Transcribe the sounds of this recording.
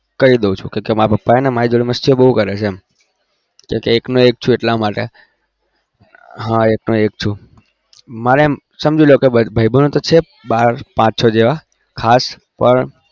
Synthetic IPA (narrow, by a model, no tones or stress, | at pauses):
kəɾid̪eũt͡ʃʰṵ̃kẽkemãpəpːaenemaid͡ʒoɭiməst̪ʰiobəɦũkəɾet͡ʃʰeɛm | kẽkeːknoek̚t͡ʃʰũeʈlamaʈe | ɦãeknoekt͡ʃʰũ | maɾem | səmd͡ʒiljokebəbʱəibʱənõt̪ot͡ʃʰe | baɾpãt͡ʃsod͡ʒeʋa | kʰas | pəɳ